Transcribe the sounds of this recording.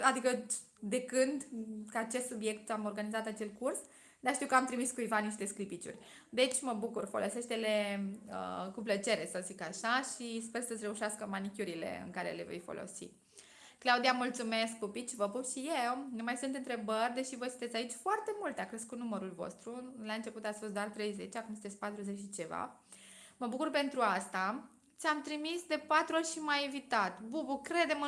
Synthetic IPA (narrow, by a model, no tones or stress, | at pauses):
ad̪ikə | d̪e̞kɨnd̪kəat͡ʃe̞st̪subje̞kt̪amo̞rɡanizat̪at͡ʃe̞lkurs | d̪aʃt̪iwkəamt̪ɾimiskuivaniʃt̪e̞sklipit͡ʃṵrʲ | d̪e̞t͡ʃʲməbukurfolʔo̞̰se̞ʃt̪e̞le̞ə̰kuplət͡ʃe̞ɾe̞səzikaʃaʃispe̞rsəsʲɾeuʃaskəmanikʲuɾile̞̰ɨ̰ŋkaɾe̞̰le̞̰ve̞̰jfo̰lʔo̞̰sḭ | klaud̪iamult̪sume̞sk̚pupit͡ʃivəpuʃijewnumajsunt̪ɨnt̪ɾe̞bərʲd̪e̞ʃivəsɨnt̪et̪sʲait͡ʃʲfoart̪e̞mult̪akɾeskunuməɾulvo̞̰st̪ɾulaɨnt͡ʃe̞put̪at̪sʲfost̪d̪oart̪ɾe̞jze̞t͡ʃakumsɨnt̪esʲpat̪ɾuzet͡ʃʃit͡ʃe̞va̰ | məbukurpe̞nt̪ɾuast̪a | t͡ʃ̪ʲamt̪ɾimisd̪e̞pat̪ɾuorʲʃimajivit̪at̪bubukɾe̞d̪e̞m